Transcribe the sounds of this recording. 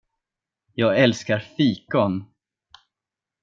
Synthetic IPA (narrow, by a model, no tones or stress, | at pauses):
jɑːɡɛlskaɾfiːkɔn